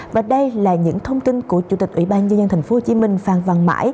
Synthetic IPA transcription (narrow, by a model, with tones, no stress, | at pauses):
vaː˨˩ɗə˧jlaː˨˩ɲɨ̰˧˥ŋt̪ʰə˧wŋ͡mt̪i˧nku˧˩ət͡ɕu˧˩t̪i˨˩k̚ʔwḭ˧˥ɓaː˧nzə˧nzə˧nt̪ʰa˨˩ŋfo˧˦ho˧t͡ɕi˧˦mï˧˩ŋ̟faː˨˩nva˨˩ŋma̰ː˧˥j